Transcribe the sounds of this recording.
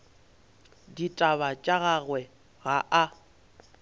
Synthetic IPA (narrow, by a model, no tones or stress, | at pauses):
ditʼaβat͡ʃʼaɣaɣwɛ | ɣaʔa